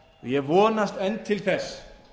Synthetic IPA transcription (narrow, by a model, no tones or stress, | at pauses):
ɔjɛvɔːnast̪ɛnt̪ʰɪlθɛs